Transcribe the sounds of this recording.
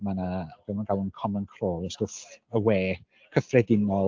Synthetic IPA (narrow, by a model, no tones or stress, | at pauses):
manab̥ɛmanɡawənkʰɔmənkʰroːlˠəsd̥oθəweː | kʰəfrɛdɪnɔ